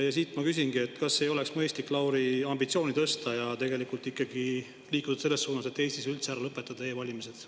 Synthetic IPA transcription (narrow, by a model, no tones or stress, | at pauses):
jɑsiːt̪ˑmɑkys̬inɡ̥ie̞t̪ːkɑsːe̞jo̞leksmɤest̪likːˑlɑwɾiɑmbit̪sio̞ːnit̪ɤst̪ɑjɑt̪e̞ɡe̞likult̪ːˑikːˑɑɡ̥i | liːkːˑut̪u̥d̥̪se̞lːe̞sːuːnɑset̪ːe̞ːst̪isylt̪seæɾɑlɤpːˑet̪ːˑɑd̪̥ɑeːvɑlʲimise̞d̪̥